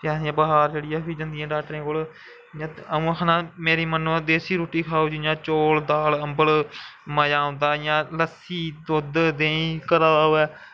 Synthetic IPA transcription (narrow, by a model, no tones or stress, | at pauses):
ãːɪjãːbəɦaːɾd͡ʒeːɽijaːpʰiːd͡ʒənd̪ɪjãːɖaːʈɾẽːkoːl | jãːəũːəkʰnãːmeːɾiːmənːuːd̪eːsiːɾoːʈːiːkʰaːoːd͡ʒɪjãːt͡ʃoːld̪aːləmbəlməjaːõːnd̪aːjãːləsiːd̪od̪d̪ẽːĩːkəɾaːoːɛː